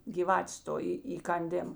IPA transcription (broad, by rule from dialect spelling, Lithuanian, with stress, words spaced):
ɡʲiːˈʋɑːtʲeːs ˈtoː iː iːkɐnʲˈdʲeːm